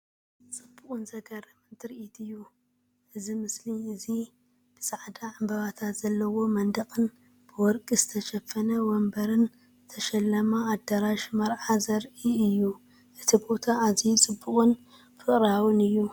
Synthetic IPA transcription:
t͡sʼɨbːukʼɨnzɐɡɐɾɐmɨnt̪ʰɨɾʔit̪ʰɨjːu | ʔɨzimɨsliɨzi | b̥ɨsʼaʕd̪aʕambɐβat̪ʰat̪z̥ɐlːɐwo̞mɐnd̪ɐqʼɨn | b̥ɨwɔɾkʼizɨt̪ʰɐʃɐfɐnɐwɔmbɐɾɨn | zɨt̪ʰɐʃɐlːɐmaːd̪ɐɾaʃmɐɾʕazɐɾʔiɨjːu | ʔɨt̪ʰibo̞t̪ʰaːzit͡sʼɨbːuχʼɨn | fɨχʼɾawɨnɨjːu

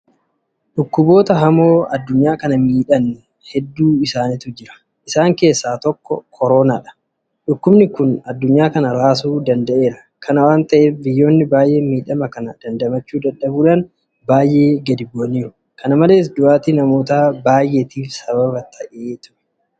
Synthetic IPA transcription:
ᶑʊkːʊbo̞ːt̪ɐɦɐmo̞ːɐd̪ːʊɲːaːkɐnɐmiːᶑɐnːɛ | hɛd̪ːuːɪsaːnɪt̪ʊd͡ʒɪɾɐ̥ | ʔɪsaːŋke̞ːsːaːt̪ɔkːɔ̰kʰɔɾo̞ːna̰ːᶑɐ̥ | ᶑʊkːʊbnɪkʊnɐd̪ːʊɲːaːkɐnɐɾaːs̬uːd̪ɐnd̪ɐʔe̞ːɾɐ | kʰɐnɐwaːnt̪ɐʔeːfbɪjːo̞ːnːɪbaːjʔe̞ːmiːᶑɐmɐkɐnɐd̪̥ɐnd̪ɐmɐt͡ʃːuːd̪ɐᶑːɐbuːᶑan | baːjʔe̞ːɡɐd̪ɪbːoniːɾʊ | kʰɐnɐmɐle̞ːs̬d̪ʊʔaːt̪inɐmo̞ːt̪aːbaːjʔe̞ːt̪iːfsɐβɐbɐt̪ʰɐʔeːt̪ʊ̥ʔɛ̥

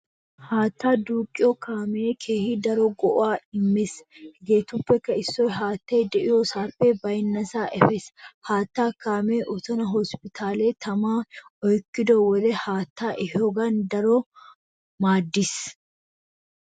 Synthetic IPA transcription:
haːt̪ːaːd̪uːkʼːɪjɔkaːmekʰe̞ːhɪd̪ɐɾɔɡɔʔɔwaːɪmːɪsɡeːt̪ʊpːɛkːɐɪsːɔjɦaːt̪ːeːd̪ɛʔɪjosaːpːɛbɐjnːɐsaːʔɛfɛshaːt̪ːaːkaːmeːʔɔt̪ɔnɐɦɔspɪt̪ʰaːleːt̪ɐmaːɔjkːɪd̪ɔwɔd̪ɛhaːt̪ːaːʔɪhɔɡɐnd̪ɐɾɔ | maːd̪ːɪs

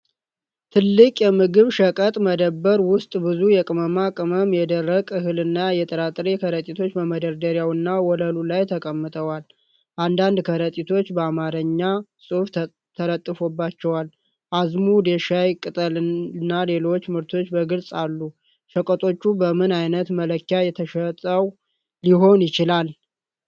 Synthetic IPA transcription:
t̪ʰɨlːɨkʼjɛmɨɡɨβʃəkʼət̪ʼməd̪əbːəɾwʊst̪ʼbɨzujɛkʼɨməmakʼɨməmjɛd̪ərːəkʼɨɦɨlɨnːajɛt̪ʰʼəɾat̪ʼɾekʰəɾət̪ʼit̪ʰo̞t͡ʃːbəməd̪əɾd̪əɾjawɨnːawɔləlulajt̪ʰəkʼəmːɨt̪ʰʼəwal | ʔand̪and̪kʰəɾət̪ʼit̪ʰo̞t͡ʃːbəamaɾəɲːasʼɨf | t̪ʰəɾət̪ʼːɨfobːat͡ʃːɛwal | ʔazmud̪eʃajkʼɨt̪ʼəlɨnːale̞lo̞t͡ʃːmɨɾt̪ʰo̞t͡ʃːbəɡɨlsʼalːu | ʃəkʼət̪ʼo̞t͡ʃːubəmɨnajnət̪mələkːjajɛt̪ʰəʃət̪ʼəw | liɦo̞njɪt͡ʃɪlal

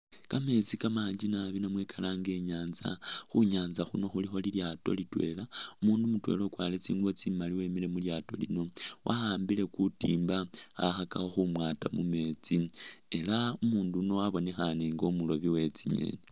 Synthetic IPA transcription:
kame̞t͡sikamaːɲd͡ʒinaβinamwe̞kalaːŋɡe̞ɲaːnza̰xuɲaːnzaxuno̞xulixo̞liljaːto̞̰litwe̞̰laumuːndumutwe̞̰lo̞kwaːlet͡sḭːŋɡuβo̞t͡simaliwemile̞muljaːto̞̰lḭno̞wʔa̰haːmbile̞kutiːmbaa̰xakaxo̞xumwaːtamume̞t͡sie̞laumuːnduno̞waβo̞ne̞xaneŋɡo̞mulo̞βiwe̞t͡siɲe̞̰ne

